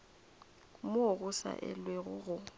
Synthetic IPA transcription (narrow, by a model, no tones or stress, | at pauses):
mʊoɣʊsa̰ʔɛ̰lweɣʊɣʊ